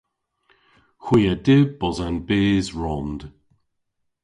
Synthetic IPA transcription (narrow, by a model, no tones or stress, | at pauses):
xwiːadɪbɔzanbeːzɹɔnd̪̥